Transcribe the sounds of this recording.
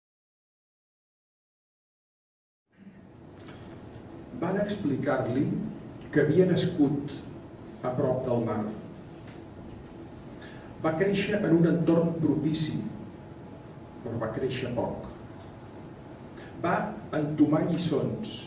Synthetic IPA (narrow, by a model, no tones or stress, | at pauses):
banəksplikaɾlikəβiənəskut̪ | əpɾɔp̚d̪əlˠmaɾ | bakɾeʃəʔənunənt̪ormpɾupisi | pɾɔβakɾeʃəpɔ̰k | baənt̪umaʎisons